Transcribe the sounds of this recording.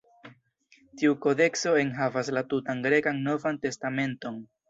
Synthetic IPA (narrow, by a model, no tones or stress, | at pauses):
tiuko̞de̞kso̞e̞nɦavaslatutanɡɾe̞kanno̞vante̞stame̞nto̞n